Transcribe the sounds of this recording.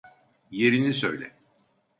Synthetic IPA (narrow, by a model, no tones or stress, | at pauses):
je̞ɾinisø̞̰jlʲɛ